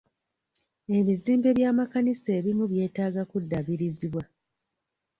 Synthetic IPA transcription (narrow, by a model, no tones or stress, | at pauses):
e̞βiziːmbe̞βjaːmakanise̞ːβimuβje̞ːtaːɡakudːaβiɾiziβwa